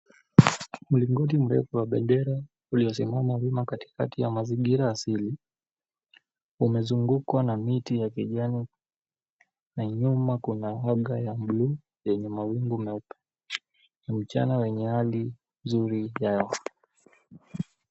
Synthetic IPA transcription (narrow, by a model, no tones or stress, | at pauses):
muliŋɡɔt̬im̩ɾɛ̰fuwaɓɛndɛɾa | uliɔs̬imamavimakati̥katijamaziŋɡiɾaːsili | umɛzuŋɡukwanamitijakiʄani | naɲumakunaaɡajamblu | jɛɲɛmawiŋɡumɛpɛ̥ | nam̩t͡ʃa̰nawɛɲɛhali | nzuɾijajɔ